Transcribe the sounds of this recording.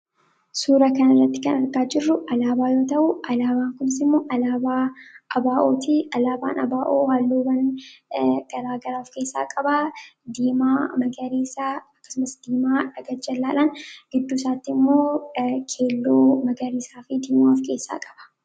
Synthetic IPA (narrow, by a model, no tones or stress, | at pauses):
suːɾɐkɐnɐrːɐt̪ːɪkɐnɐɾɡaːd͡ʒɪrːʊʔɐlaːbaːjo̞ːt̪ɐʔʊʔɐlaːbaːŋkʊnɪsɪmːo̞ːʔɐlaːbaːʔɐbaːʔo̞ːt̪ɪʔɐlaːba̰ːnɐ̰baːʔoːwaːlːoːbɐn | ɡ̥ɐɾaːɡɐɾaːfke̞ːsːa̰ːkʼɐbɐd̪iːmaːmɐɡɐɾeːsaːɐkːɐ̥sʊmɐsd̪̥iːmaːᶑɐɡɐd͡ʒɐlːaːlanɡɪd̪ːuːsaːt̪ːɪɪmːo̞ːkʰe̞ːlːoːmɐɡɐɾiːsaːfɪd̪iːmafke̞ːsːa̰ːkʼɐ̥b̥ɐ̥